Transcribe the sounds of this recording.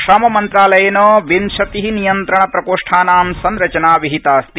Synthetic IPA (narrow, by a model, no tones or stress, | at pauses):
ʃɾaːmɐmɐnt̪ɾaːlɐjɐnoːʋinʃɐt̪iɦinijɐnt̪ɾɐɳɐpɾɐkoːʂʈʰaːnaːmsɐnɾɐt͡ʃɐnaːʋiɦit̪aːst̪i